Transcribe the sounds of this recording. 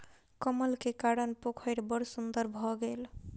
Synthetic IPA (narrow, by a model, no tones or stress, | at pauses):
kɔməlkekaɽənpokʰəjɾbʌɾsund̪əɾbʱɔɡel